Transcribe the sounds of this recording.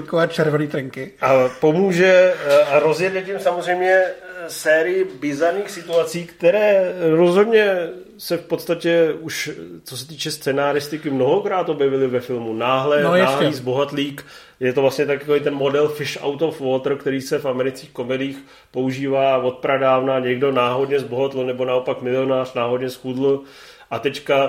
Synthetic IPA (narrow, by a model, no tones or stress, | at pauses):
kovɛːt͡ʃɛɾvɛniːt̪ɾɛŋkɪʔapo̞muːʒɛaɾo̞zjɛdlɛt̪ɪmsamozrɛjmɲɛsɛːɾɪjɪbɪzaɾniːxsɪt̪uat͡siːkt̪ɛɾɛːɾo̞zɦo̞dɲɛ | sɛfpo̞t̪st̪acɛuʃt͡so̞sɛt̪iːt͡ʃɛst͡sɛnaːɾɪst̪ɪkɪmno̞ɦokɾaːt̪o̞bjɛvɪlɪvɛfɪlmunaːɦlɛnaːɦiːzboɦat̪liːk | jɛt̪ovlasɲɛt̪akjakovit̪ɛnmo̞dɛlfɪʃa̰wt̪ofvoːt̪r̩kt̪ɛɾiːsɛfamɛɾɪt͡skiːxko̞mɛdɪiːx | po̞uʒiːvaːvo̞t̪̚pɾadaːvnaːɲɛɡdo̞naːɦo̞dɲɛzboɦot̪l̩nɛbo̞nao̞pakmɪlɪo̞naːr̝naːɦo̞dɲɛsxudl̩ | ʔat̪ɛcka